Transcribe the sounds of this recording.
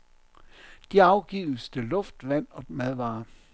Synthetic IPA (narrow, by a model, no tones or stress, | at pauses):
d̥iɑ̈ʊɡ̥iːʊsd̥elɔ̽fd̥ʋæn̰ɒ̽mæðˠʋɑ̈ː